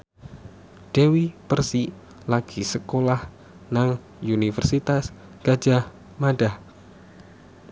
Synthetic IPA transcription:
ɖ̥ewipərsi | laɡ̥isəkolah | naŋ | unifərsit̪as | ɡ̥ḁd͡ʒah | maɖah

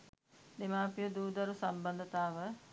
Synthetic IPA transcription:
d̪ɪmaːpijod̪uːd̪ɐɾusɐmbənd̪t̪aːʋə

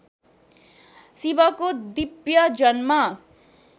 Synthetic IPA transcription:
sibʌkod̪ibjʌd͡zʌnma

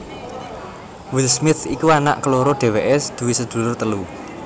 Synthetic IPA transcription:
wɪlsmɪt̪ʰikuana̰ʔkəloɾoɖ̥e̤weʔɛsd̪̥ṳwisəd̪̥ṳlʊrt̪əlu

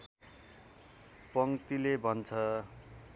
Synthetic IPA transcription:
pʌŋt̪ilebʱʌnt͡sʰʌ

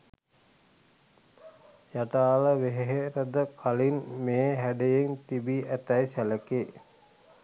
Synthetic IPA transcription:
jaʈaːləʋeɦeɦeɾəd̪əkʰalinmeːɦæɖejeŋt̪ibiʔæt̪æjsæləke

